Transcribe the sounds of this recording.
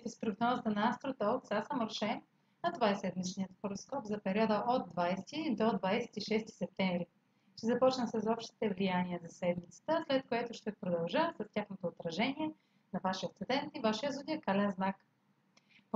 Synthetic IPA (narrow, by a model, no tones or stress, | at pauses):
t̪ɛspɾoɡnɔzət̪ənɐast̪ɾot̪ɔlk̪sasəmoɾʃɛm | ɐt̪ovaɛsɛd̪mit͡ʃnijət̪xoɾoskɔpzɐpɛɾʲiɔd̪əʔod̪̚ːvajst̪id̪od̪vajsɛ̥t̪iʃɛst̪i̥sɛp̚t̪ɛɱvɾi | ʃt̪ɛzɐpɔt͡ʃnəsɐsɔpʃt̪i̥t̪ɛvlijaniəzɐsɛd̪mit̪sə̥t̪əslɛt̪̚koɛt̪ʊʃt̪ɛpɾod̪ɐlˠʒəsɐstʲaxnot̪oːt̪ɾɐʒɛniɛ | nɐvaʃiət̪sɛd̪ɛnt̪ivaʃiəzud̪ʲiəkalɛnznak